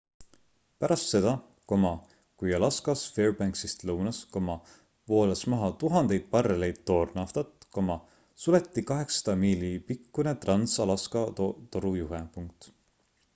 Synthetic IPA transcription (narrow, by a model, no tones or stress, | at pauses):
pæɾɑst̪se̞d̪̥ɑ | ko̞mɑ | kujɑlɑskɑsfeːrbæŋksist̪lɤwnɑsko̞mɑ | vo̞ːlesmɑɦɑt̪uɦɑnd̪e̞jd̪̥̚pɑrːelejd̪̥̚t̪o̞ːrnɑft̪ɑt̪ːˑko̞mɑ | sule̞t̪ːikɑɦe̞ksɑ̥d̪̥ɑmiːlipikːune̞t̪rɑnsɑlɑskɑt̪o̞ɾujuɦepuŋk̚t̪ˑ